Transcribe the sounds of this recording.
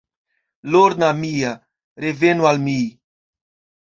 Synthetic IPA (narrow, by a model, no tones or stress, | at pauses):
loɾnamia | ɾevenualmi